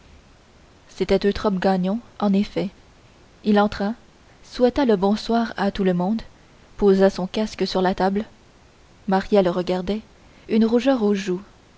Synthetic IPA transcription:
set̪ɛt̪ø̃t̪χɔpɡaɲɔ̃ɑ̃nefɛ | ilɑ̃t̪χa | swɛt̪aləbɔ̃swaːʁat̪uləmɔ̃d̪ | pozasɔ̃kaskəsyʁlat̪abl | maʁjɛlʁəɡaʁd̪ɛ | ynʁuʒœːʁoʒu

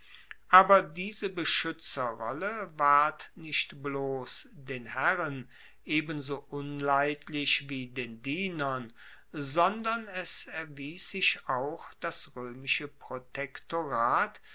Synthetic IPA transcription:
ʔaːbɐdiːzəbəʃʏt͡sɐʁɔləvaɐtnɪçtbloːsdeːnhæʁən | ʔeːbənzoːʔʊnlaɪtʰlɪʃviːdeːndiːnɐn | zɔndɐnɛsɛɐviːsz̥ɪʃaʊxd̥asʁøːmɪʃəpʁ̥otʰɛktoʁaːt

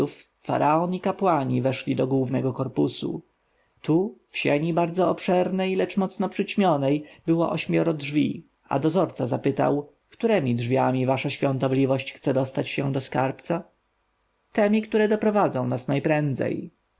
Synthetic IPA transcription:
ufː | a̰ɾʔaɔnikapwaɲivɛʂlʲid̪ɔɡwuvnɛɡɔkɔɾpusṵ | t̪ufɕɛɲibaɾd̪zɔɔpʂɛɾnɛjlɛt͡ʂmɔt̪snɔpʂɘt͡ɕmʲjɔnɛjbɘwɔ̰ʔɔɕmʲjɔɾɔdʐvʲḭ | a̰d̪ɔzɔɾt̪sazapɘt̪a̰w | kt̪uɾɛmʲidʐvʲjamʲivaʂaɕfʲjɔ̃nt̪ɔblʲivɔɕt͡ɕxt̪sɛd̪ɔst̪at͡ɕɕɛd̪ɔskaɾpt̪sa | t̪ɛmʲikt̪uɾɛd̪ɔpɾɔvad̪zɔ̃w̃nasnajpɾɛnd̪zɛ̰j

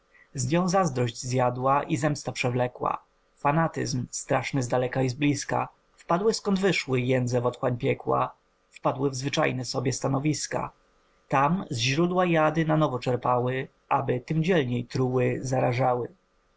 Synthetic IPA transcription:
zɲɔ̃w̃zazd̪ɾɔʑd͡ʑzjad̪waʔizɛmst̪apʂɛvlɛkwa̰ | fanat̪ɘ̰zmst̪ɾaʂnɘzd̪alɛkaizblʲiska̰ | fpad̪wɘskɔnd̪vɘʂwɘjɛnd̪zɛvɔt̪xwaɲpʲjɛkwa̰ | fpad̪wɘvzvɘt͡ʂa̰jnɛsɔbʲjɛst̪anɔvʲiska̰ | t̪amzʑɾud̪wajad̪ɘnanɔvɔt͡ʂɛɾpawɘ | ʔabɘt̪ɘmd͡ʑɛlɲejt̪ɾuwɘzaɾaʐawɘ

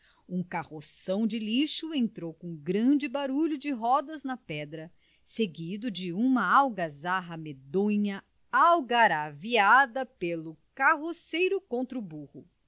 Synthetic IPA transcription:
ũkahosɐ̃w̃d͡ʒɪliʃʊẽnt̪ɾowkõɡɾɐ̃d͡ʒɪbaɾuʎʊd͡ʒɪɦɔd̪ɐznɐpɛd̪ɾɐ | seɡid̪ʊd͡ʒɪũmɐawɡazaɦɐmed̪õɲɐ | awɡaɾaviad̪ɐpelʊkaɦosejɾʊkõnt̪ɾʊbuhʊ

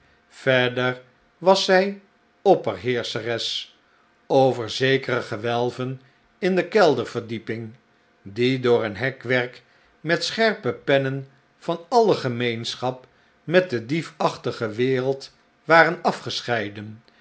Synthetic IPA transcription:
v̥ɛɹdəɹ | ʋɑsɛj | ɔpərɦɪːɹsərɛs | owvəɹzejkərəχəʋɛlˠvən | ɪndəkɛlˠdəɹv̥əɹdipɪŋ | didʊːɹənɦɛkʋɛɹk | mɛtsχɛɹpəpɛnən | v̥ɑnɑləχəmejnsχɑp | mɛt̚dədifɑχtəχəʋɪːɾəlˠt | ʋaːrənɑfχəsχɛjdən

